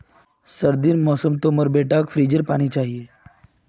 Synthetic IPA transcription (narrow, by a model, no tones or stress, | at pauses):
səɾd̪ɪnmɔːsəmt̪omɔɾbeːʈaːkfʰɾiːd͡ʒəɾpaːñit͡ʃaːɦieː